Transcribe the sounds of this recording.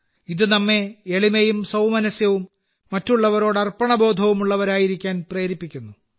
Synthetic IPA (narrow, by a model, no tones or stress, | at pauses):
iðɨnɐmːe̞eɭimejumsɐwmɐnɐsjɐʋumː | ɐtːuɭːɐʋɐɾo̞ːɽɐrpɐɳɐbo̞ːd̪ʱɐʋumuɭːɐʋɐɾaːjiɾikʲːaːnpre̞ːɾipːikʲːunːu